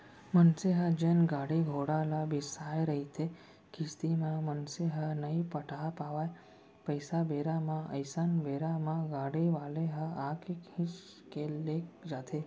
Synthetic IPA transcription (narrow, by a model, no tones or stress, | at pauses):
mənseɦəd͡ʒenɡaɽiɡʱoɽalabisajɾəɦit̪ʰe | kist̪imãmənseɦənəipəʈʰapaʋae | pəjsabeɾamãə̰jsanbeɾamãɡaɽiʋaleɦəakekhĩʃ | kelek̚d͡ʒat̪ʰe